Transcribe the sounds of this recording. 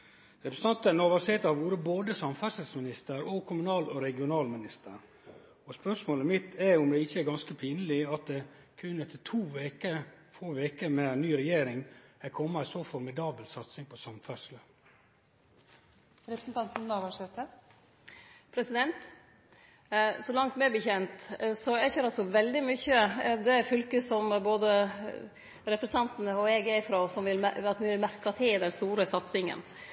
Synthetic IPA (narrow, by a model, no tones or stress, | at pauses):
ɾɛpɾəsət̪ʰɑnt̪ənoːʋɑʂeːt̪ɑʋuːɾəboːd̪əsɑmfœʂəlsmɪnɪst̪əɾɔkʰʊmʉnɑːlɔɾɛɡɪʊnɑːlmɪnɪst̪ʰə̰ɾ | ɔspœʂmoːləmɪt̪ʰæʊmd̪ɛɪçːəɛɾɡɑnskəpʰiːnəlɪɑt̪̚d̪ɛ | kʰʉnɛt̪ʰət̪ʰuːʋeːkəfoːʋeːkəmɛnyːɾɛjeːɾɪŋækʰɔmːɑɪsɔfɔɾmɪd̪ɑːbəlsɑt̪sɪŋpʰɔsɑmfœʂlə | ɾɛpɾəsn̩t̪ʰɑnt̪n̩nɑʋɑʂɛt̪ʰːə | pʰɾɛsɪd̪ɛnt̪ | sɔlɑŋt̪mɛæbəçɛnt̪sɔɛçøːɾɑlsɔʋɛld̪ɪmʏçːəd̪ɛfʉlkəsɔmboːd̪ə | ɾɛpɾəst̪ʰɑnt̪ənəɔɛɡæɪfɾoːsɔmʋɪlɑt̪ʋɪʋɪlmæɾkɑt̪ʰɪld̪ɛnst̪uːɾəsɑt̪sɪŋə̰n